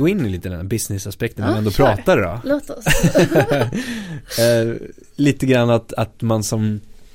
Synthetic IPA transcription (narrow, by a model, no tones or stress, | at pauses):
oːɪnːɪliːt̪əd̪ɛnæɾbɪsnɪsaspɛk̚t̪ənɛɛnd̪oːpʰɾɑːt̪aɾdɔ̰loːt̪ɔs | liːt̪əɡɾanːat̪at̪mansɔm